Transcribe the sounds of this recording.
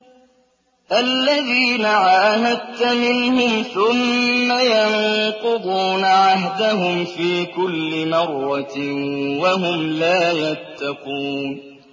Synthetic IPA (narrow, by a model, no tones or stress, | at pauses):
ʔalːaðiːnaʕaːɦad̪̚t̪amɪnhʊmθʊmːajanqʊd̪ˤuːnʕaɦd̪aɦʊmfiːkʊlːɪmɑrˤːɑ | waɦʊmlaːjat̪ːɑquːn